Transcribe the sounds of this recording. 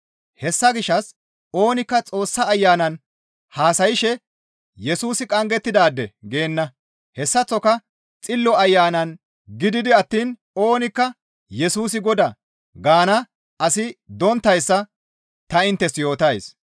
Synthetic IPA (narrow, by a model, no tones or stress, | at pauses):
hɛsːɐɡɪʃːɐs | o̞ːnɪkːɐt͡sʼo̞ːsːɐːjːaːnɐn | haːsɐjɪʃɛ | jɛsuːsɪkʼɐŋɡɛt̪ːɪd̪aːd̪ːɛ̰ɡe̞ːnːɐ | hɛsːɐt͡sːɔkɐ | t͡sʼɪlːɔɐjːaːnɐn | ɡɪd̪ɪd̪ɪɐt̪ːiːn | o̞ːnɪkːɐ | jɛsuːs̬ɪɡɔd̪ɐ | ɡaːnɐ | ɐsɪd̪ɔnt̪ːɐjsːɐ | t̪ɐɪnt̪ːɛsjo̞ːt̪ɐjs